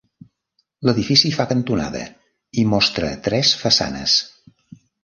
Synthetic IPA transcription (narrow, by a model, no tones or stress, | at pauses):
ləðifisifakənt̪una̰ðə̰ | imɔst̪ɾət̪ɾɛsfəsa̰nə̰s